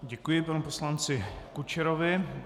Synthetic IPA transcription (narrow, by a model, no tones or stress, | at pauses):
ɟɛkujɪpanuposlant͡sɪkut͡ʃɛɾovɪ